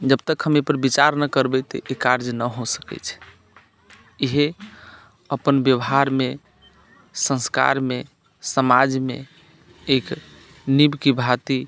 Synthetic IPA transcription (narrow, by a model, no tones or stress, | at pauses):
d͡ʒəbt̪əkɦəmepəɾbit͡ʃaɾnəkəɾbɛt̪ɔ̰ʔekaɾd͡ʒnəɦosə̥kɛ̰t͡ʃʰ | iɦe | əpənbjəwɦaɾme | sə̃nska̰ɾme | səmad͡ʒmḛ | ek | nibkibʱat̪i